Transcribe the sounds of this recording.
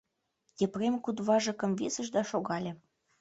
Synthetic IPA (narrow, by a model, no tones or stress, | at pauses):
t̪ʲepremkud̪βɑʒɤ̆kɤ̆mvesə̆ʒd̪ɑʃoɣɑlʲĕ